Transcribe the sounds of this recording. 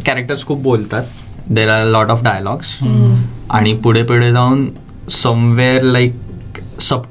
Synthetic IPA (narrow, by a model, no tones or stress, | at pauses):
kɛɾek̚ʈəɾskʰuːp̚bolt̪at̪ | d̪eɾaɾlɔʈɔfɖajəlɔɡs | a̰ɽ̃ipuɽ̤epeɽed͡zauːn | səmʋeɾlaɪksəb